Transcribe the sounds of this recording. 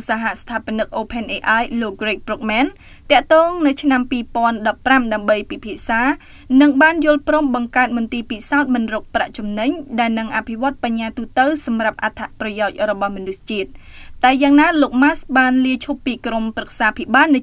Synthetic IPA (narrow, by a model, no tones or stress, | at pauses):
saɦaʔst̪ʰaːpə̆nɨk̚ʔoːpʰenʔeːʔajloːk̚ɡreːk̚brok̚mɛːn | t̪ɛ̆əʔt̪ɔːŋnɨwt͡ɕʰnampiːpŏənɗɑpːramɗaəmɓəjpipʰiəʔsaː | nɨŋɓaːnjʊ̆əlproːmɓɑŋkaət̪̚mʊ̆nt̪iːpisaɔt̪̚mɨnrɔːk̚pra̰ʔt͡ɕumnɨɲɗaɛlnɨŋʔapʰiʋŏət̪̚paɲːaːt̪uːt̪əwsɑmrap̚ʔat̪ʰaʔprɑjaɔc̚rɔɓɑhmɔnust͡ɕiət̪̚ːaɛjaːŋnaːloːk̚masɓaːnliəjt͡ɕʰupːiːkromprək̚saːpʰiɓaːlnɨ